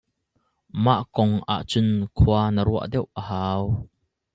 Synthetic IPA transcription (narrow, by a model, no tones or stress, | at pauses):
maʔkɔŋʔa̰ʔt͡sʊnkʰuanəɾuɐ̰ʔdɛwʔəhaːw